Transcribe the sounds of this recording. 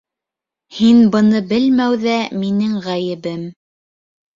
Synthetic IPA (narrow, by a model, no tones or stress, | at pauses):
hinbɤ̆nɤbɘlmæwðæminɘŋʁæjɘ̆βɘm